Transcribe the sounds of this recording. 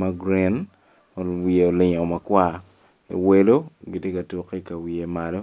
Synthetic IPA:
ma˦ɡɾi˨n | o˨wi˨e˨o˨lɪ˨ɲɔ˨ma˨kwa˦˨ | ḛ˨we˦lo˦ɡi˨tje˦ka˨tu˨ke˦ka˨wi˨e˨ma˨lo˦

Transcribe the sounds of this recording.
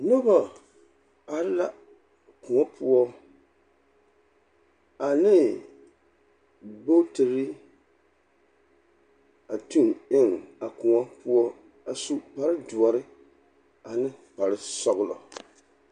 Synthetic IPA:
no˦ba˨ | a˨ɾɨ˦la˦ | ku˨ŋɔ˦pʰʊ˦ɔ˦ | a˨nɨ˦ | bo˦tɨ˨ɾɨ˦ | a˨tu˦ŋɪ˦ŋa˨ku˨ɔ˦pʊ˦ɔ˦ | a˨su˦pa˨ɾɨ˦du˨ɔ˨ɾɨ˦ | a˨nɨ˦pa˨ɾɨ˦sɔ˦ɣʊ˦lɔ̰˨

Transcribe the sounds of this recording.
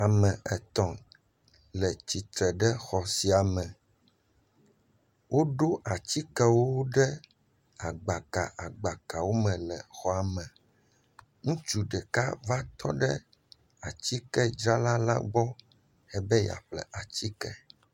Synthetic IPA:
a˨mɛ̃˨ɛ˨t̪ɔ̃˨ | lɛ˨t͡ɕi˨t̪ɾɛ˨ɖɛ˦xɔ˨si˨a˨mɛ̃˨ | wʔo˦ɖo˦ʔa˨t͡ɕi˦kɛ˦wo˦ɖɛ˦ | a˨ɡ͡ba˨ka̰˨ʔa˨ɡ͡ba˨ka˨wo˦mɛ̃˨lɛ˨xɔ˨a˨mɛ̃˨ | ŋũ˦t͡ʃu˨ɖɛ˨ka˦va˦t̪ʰɔ̰˦ɖɛ̰˦ | a˨t͡ɕi˦kɛ˦d͡ʒɾa˦la˦la̰˦ɡ͡bɔ˦ | ɛ˦bɛ˦ja̰˨ɸlɛ̰˨ʔa˨t͡ɕi˦kɛ̰˨

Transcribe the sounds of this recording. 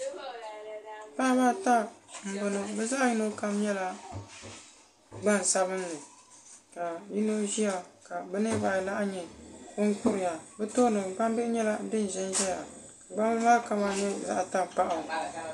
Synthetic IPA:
pa˦ba˦ta˦m̩˨bɨ˨no˦bɛ˦za˦ʔjɪ˦no˦ka˦mɲɛ˦la˦ | ɡ͡ba˦˨n˨sa˦βɨ˦n˦nɨ˨ | ka˨ji˦no˦ʒi˦a˨ka˨bɨ˦nɨ˦ba˨la˦ʔɲɛ˨kʊ˦ŋ˦kʊ˦ɾɪ˨ja˨bɛ˦toː˦nɨ˨mɡ͡ba˦m˦bɛ˦ʔɪ˦ɲɛ˦la˦dɨ˦n˨ʒɛ˦n˦ʒɛ˦ja̰˨ | ka˨ɡ͡ba˦m˦maː˦ka˦ma˦ɲɛ˦za̰˦ʔa˨ta˦˨pa˦ʔa˨

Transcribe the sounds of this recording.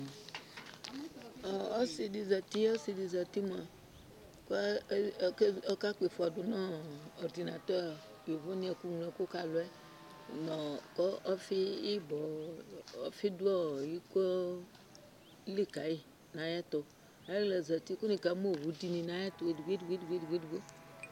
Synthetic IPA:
o˦si˨di˨zɛ˨t̪i˦o˦si˨di˨zɛ˨t̪i˦m˦˨a˨ | ko˦ke˦ɔ˦ka˦k͡pe˨fo˨a˨do˨nã˦ɔ˨ɾd̪i˨na˨t̪ɔ˦˨ | jo˨vo˦nĩ˦a˨ku˦ŋlɛ˨ko˦ka˨lo˨ɛ˦ | nɔ˨kɔ˦ɔ˦fi˦i˦bɔ˨ | ɔ̰˦fi˦du˦ɔ˦˨ji˦kɔ˦ | li˦ka˨ji˦ | nã˨ja˦t̪ɔ˨ | a˦lɛ˨za˨t̪i˦ku˦nĩ˨ka˨˦mo˦˨wu˨di˨nĩ˨nã˨˦ja˦t̪o˨˦dɡi˦du˨ɡe˦dɡe˦dɡe˦du˨ɡo˦

